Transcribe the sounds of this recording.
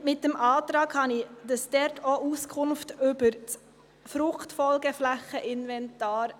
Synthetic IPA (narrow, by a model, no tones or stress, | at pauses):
mɪt̚dɛmʔɑːtɾɑːɡhɑnid̥ɑsdɛɾtʰoʔuskʰʊnftʏbəɾt͡s | fɾʊχtfɔlɡəflæχəʔɪnvɛntɑːɾ